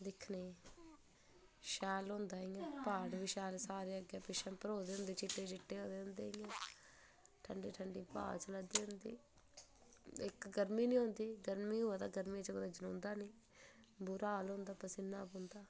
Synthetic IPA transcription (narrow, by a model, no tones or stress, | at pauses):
d̪ɪkʰneː | ʃɛːlɦʊ̃ːnd̪aːɦĩːãːpaːʈbiːʃɛːlsaːɾeːəɡɛːpɪʃʰə̃mpəɾoːd̪eːɦʊ̃nd̪eːt͡ʃɪʈːeːt͡ʃɪʈːeːɦoːd̪eːɦʊ̃nd̪eːɪːaː | ʈʰəɳɖiːʈʰəɳɖiːpa̰ːlt͡ʃəlaːd̪iːɦʊ̃nd̪ḭː | ɪkɡəɾmĩːnĩːɦõːnd̪iːɡəɾmĩːɦoːaːd̪aːɡəɾmĩt͡ʃokːd̪aːd͡ʒənõːnd̪aːnĩː | bʊɾaːlɦʊ̃ːnd̪aːpəsɪnaːbʊ̃ːnd̪aː